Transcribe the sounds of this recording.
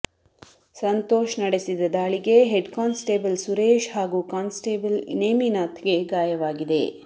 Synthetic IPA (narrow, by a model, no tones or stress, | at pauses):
sɐnt̪oːʃnɐɽesid̪ɐd̪aːɭiɡe̞ɦeɖkaːnsʈeːbɐlsuɾeːʃɦaːɡuːkaːnsʈeːbɐlneːminaːt̪ɡe̞ɡaːjɐʋaːɡid̪ḛ